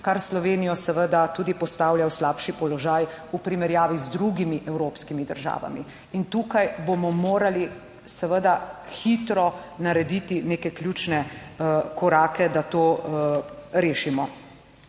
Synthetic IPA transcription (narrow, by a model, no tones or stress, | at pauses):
kaɾslɔʋeːnijɔsɛʋəd̪at̪uːd̪ipɔst̪aːwljawslaːpʃipɔlɔʒajupɾimɛɾjaːʋizd̪ɾuɡimiʔɛwɾoːpskimid̪ə̰ɾʒa̰ːʋa̰mḭ | int̪uːkajbomɔmoːɾali | sɛʋəd̪axit̪ɾɔnaɾɛd̪iːt̪ineːkɛklʲjut͡ʃnɛ | kɔɾaːkɛd̪at̪oː | ɾeːʃimɔ